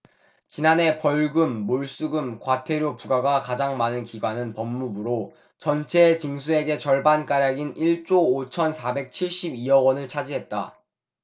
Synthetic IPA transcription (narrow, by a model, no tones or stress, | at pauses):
t͡ɕinane̞pʌɭɡɯmːoɭs͈uɡɯmkwatʰe̞ɾjopuɡaɡakad͡ʑaŋmanɯnkiɡwanɯnpʌmːubɯɾo | t͡ɕʌnt͡ɕʰe̞t͡ɕiŋsʰue̞ɡe̞t͡ɕʌɭbank͈aɾjaɡiniɭt͡ɕ͈oːt͡ɕʰʌnsʰabe̞k̚t͡ɕʰiɭɕ͈ibiʌwʌnɯɭt͡ɕʰad͡ʑiɦe̞t̚t͈a